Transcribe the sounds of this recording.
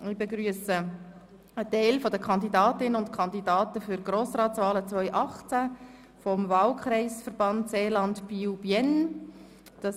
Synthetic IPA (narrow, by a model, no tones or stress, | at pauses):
ɪbɛɡɾyəsə | ətɛɪlfɔdəkʰɑnd̪idɑːtɪnənʊntkʰɑndidɑːtəfʏɾɡ̥roːsrɑːtt͡sʋɑːlət͡sʋœʏʔɑχt͡sæ | fɔmvɑːlkʰɾɛɪsfərb̥ɑntseːlɑntpiubjɛn | d̥ɑ